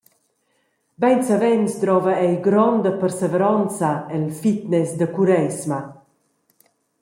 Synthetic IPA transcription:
bɛnsavɛnst̪ɾɔvaɛjɡɾɔnd̪əpəɾseveɾɔnt͡saɛlfit̪nɛsd̪əkuɾɛsma

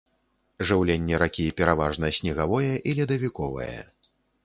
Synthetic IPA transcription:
ʐɨwlʲenʲːɛɾakʲipʲɛɾavaʐnɐsʲnʲɛɣavɔjɛʔilʲɛd̪ɐvʲikɔvɐ̰jɐ̰

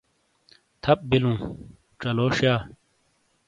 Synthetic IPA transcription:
t̪ʰɐp̚bilũː | ʈ͡ʂɐloːʂjaː

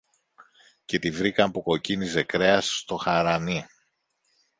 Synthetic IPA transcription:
ce̞t̪ivɾikɐmpuko̞cinize̞kɾe̞ɐst̪o̞xɐɾɐni

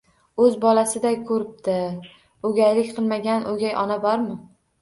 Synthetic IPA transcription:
ɵzbɒlasɪd̪ajkʰɵɾɪp̚d̪ɪ | ɵɡʲajlɪkʲqʰɨlˠmaɡʲanʔoɡʲajɒnabɒɾmɪ

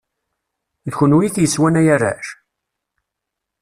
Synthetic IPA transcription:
ðçənwiθjəswænæjæræ̰ʃ

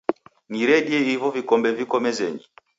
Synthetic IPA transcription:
niɾɛɗiɛivɔvikɔmbɛvikɔmɛzɛɲi

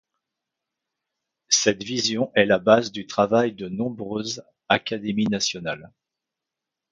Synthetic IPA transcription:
sɛt̪vizjɔ̃ʔɛlabazd̪yt̪χavajd̪ənɔ̃bʁøz | akʲad̪eminasjɔna̰l

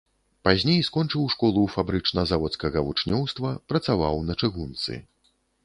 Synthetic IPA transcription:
pazʲnʲejskɔnt͡ʂɨwʂkɔlˠufabɾɨt͡ʂnɐzavɔt̪skɐɣɐvut͡ʂnʲɔwst̪vɐpɾɐt̪sava̰wnɐt͡ʂɨɣunt̪sɨ̰

